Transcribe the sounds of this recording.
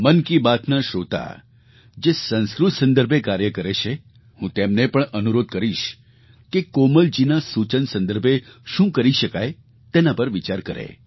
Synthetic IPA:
mənkibat̪naʃot̪a̰ | d͡ʒesə̃nskɾʊt̪ʰsə̃nd̪əɾbʱekaɾjəkəɾet͡ʃʰe | hũt̪emnepəɳənuɾod̪̚kəɾiʃ | kekoməld͡ʒinasut͡ʃənsə̃nd̪əɾbʱeʃũkəɾiʃəkaj | t̪enapəɾʋit͡ʃaɾkəɾḛ

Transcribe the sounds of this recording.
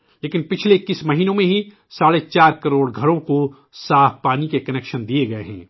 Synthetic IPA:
leːkɪnpɪt͡ʃʰleɪkːismɐɦiːnõmẽɦi | saːɽet͡ʃaːɾkɐɾoːɽɡʱɐɽõko | saːfʰpaːnikekɐnɛːkʃənd̪ieɡɐeɦɛ̃ː

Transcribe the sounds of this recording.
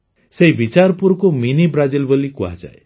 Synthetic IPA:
seɦibit͡ʃaɾpuɾkominibɾad͡ʒilbolikua̰d͡ʒa̰e

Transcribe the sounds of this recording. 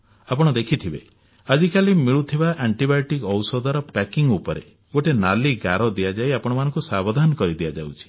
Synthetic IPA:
apɔɽ̃ɔd̪ekʰit̪ʰibḛ | ad͡ʒikʰalimiɭut̪ʰibaʔaɳʈibauʈikɔwsɔd̪ʱɔɾɔpɛkiŋupɔɾḛ | ɡoʈenaliɡaɾɔd̪iad͡ʒajapɔɽ̃ɔmanɔ̃ŋkusabɔd̪ʱanɔkɔɾid̪ijad͡ʒa̰wt͡ʃʰi̥

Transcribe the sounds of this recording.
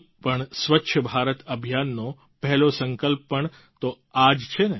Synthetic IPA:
pəɳsʋətːʃʰəbʱaɾət̪əbʱijanːo | pɛɦɛlosəŋkəlpːəɳ | t̪o | ad͡ʒt͡ʃʰene

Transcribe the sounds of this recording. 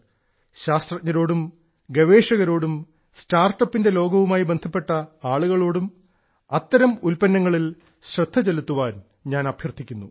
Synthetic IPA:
ɕaːst̪rɐt̚ɲːɐɾo̞ːɽum | ɡɐʋe̞ːʂɐɣɐɾo̞ːɽum | staːrʈːɐpːinde̞lo̞ːɡɐʋumaːjibe̞nd̪ʱɐpːe̞ʈːɐaːɭuɣɐɭo̞ːɽum | ɐt̪ːɐɾɐmulpɐnːɐŋːɐɭil | ɕrɐd̪ʱːɐt͡ɕelut̪ːuʋaːn | ɲaːnɐbʱjɐrt̪ʰːikʲːunːu

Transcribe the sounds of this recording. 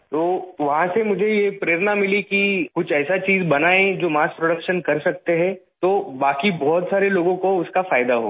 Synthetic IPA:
t̪oːʋɐɦãsemʊd͡ʒʱejepɾeːɾnamɪlikikʊt͡ʃʰɛːsat͡ʃiːzbɐnaːẽd͡ʒoːmaːs̚pɾoɽəkʃənkɐɾsɐk̚t̪eɦɛ̃t̪oːbaːkibɔːt̪saːɾeloːɡõkoʊskafaːjɪd̪aɦo̰ː

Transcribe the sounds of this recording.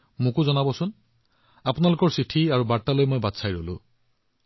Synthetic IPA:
mʊ̃kʊzɔnabɔsʊn | apʊnalokɔɹsitʰiaɹubaɹtalojmojbadsʰajɹolʊ̰̃

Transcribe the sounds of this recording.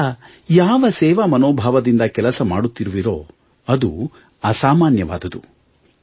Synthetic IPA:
jaːʋɐsɛːʋɐmɐnoːbʱaːʋɐd̪ind̪ɐkɛlɐsɐmaːɽut̪ːiɾuʋiɾo̞ː | ɐd̪u | ɐsaːmaːnjɐʋa̰ːd̪ɐd̪u

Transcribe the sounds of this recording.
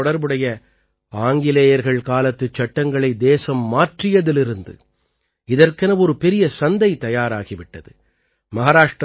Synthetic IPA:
ɔɽɐɾbɯɽɐjɐ | aːŋɡɪleːjɐɾɣɐɭkaːlɐt̪ːɯt͡ʃːɐʈːɐŋɡɐɭɐɪd̪eːsɐmːaːʈrɪjɐðɪlɪɾɯnd̪ɯ̰ | ɪðɐrkɐnɐʋɔɾɯpɛɾɪjɐsɐnd̪ɐɪt̪ɐjaːɾaːɣiʋɪʈːɐðɯ | mɐɣaːɾaːʂʈ

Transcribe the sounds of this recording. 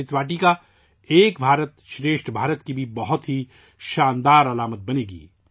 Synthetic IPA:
ɪt̪ʋaːʈika | eːkbʱaːɾət̪ʃɾeːʃʈʰbʱaːɾət̪kibʱibɐɦʊt̪ɦi | ʃaːnd̪aːɾɐlaːmət̪̚bɐneːɡḭː

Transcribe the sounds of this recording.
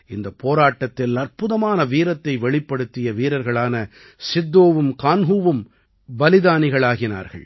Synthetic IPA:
ɪnd̪ɐpoːɾaːʈːɐt̪ːɪlɐrpɯðɐmaːnɐʋiːɾɐt̪ːɐɪʋɛɭɪpːɐɽɯt̪ːɪjɐʋiːɾɐɾɣɐɭaːnɐ | sɪd̪ːoːʋɯmkaːnɦuːʋɯm | bɐlɪðaːnɪɣɐɭaːɣɪna̰ːɾɣɐ̰ɭ

